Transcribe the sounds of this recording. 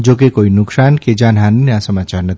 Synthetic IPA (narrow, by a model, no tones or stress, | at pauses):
d͡ʒokekoinʊksanked͡ʒanɦannjasəmat͡ʃaɾnət̪ʰi